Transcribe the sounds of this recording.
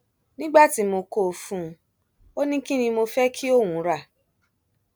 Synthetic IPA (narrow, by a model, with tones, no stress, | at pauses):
nĩ˦ɡ͡ba˦˨ti˨˧˦mo˧ko˦˨fũ˨˧˦ | o˦nĩ˦kĩ˦nĩ˧mo˧fɛ˦kʰi˦o˦˨wũ˨˦ɾa˦˨